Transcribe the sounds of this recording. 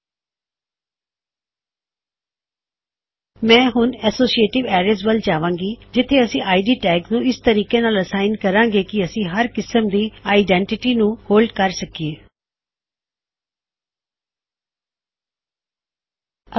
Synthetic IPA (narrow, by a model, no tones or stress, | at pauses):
mɛ̃ːɦʊnɛsoːsieːʈɪʋɛːɾezʋəlt͡ʃaːʋãːŋɡiːd͡ʒɪt̪ʰːeɐsĩːʔaːiɖiːʈɛːɡnũːɪst̪əɾiːkenaːləsaːɪnkəɾãːŋɡeːkiəsĩːɦəɾkɪsəmd̪iːaːɪɖɛ̃ɳʈɪʈiːnũːhoːlɖkəɾsəkieː